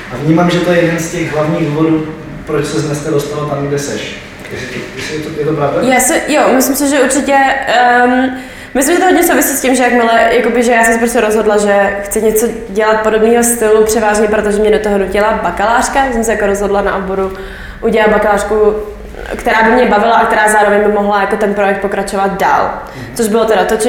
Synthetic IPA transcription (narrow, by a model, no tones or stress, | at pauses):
ʔavɲiːmamʒɛt̪ojɛjɛdɛnscɛɣɦlavɲiːɣduːvoduː | pɾot͡ʃsɛznɛskadost̪alot̪amɡdɛsɛʃ | jɛsɪt̪jɛsɪjɛt̪ojɛt̪opɾavdajaːsɛjomɪslɪmsɪʒɛʔuɾt͡ʃɪcɛ | m | mɪs̬lɪmʒɛt̪oɦodɲɛs̬owvɪsiːscɪmʒɛjakmɪlɛjakobɪʒɛjaːsɛmsɛpɾos̬cʲɛɾozɦodlaʒɛxt͡sɪɲɛt͡so | ɟɛlat̪̚po̞dobniːɦost̪ɪlupr̝̥ɛvaːʒɲɛpɾot̪oʒɛmɲɛdot̪oɦoducɛlabakalaːr̝̥kajas̬ɛms̬ɛjakoɾozɦo̞dlana̰ʔoboɾu | ʔuɟɛlabakalaːr̥ku | kt̪ɛɾaːbɪmɲɛbavɪlaʔak̚t̪ɛɾaːzaːɾovɛɲbɪmoɦlajakot̪ɛnpɾo̞jɛk̚t̪̚pokɾat͡ʃovat̪̚da̰ːl | t͡soʒbɪlot̪ɛɾat̪ot͡ʃ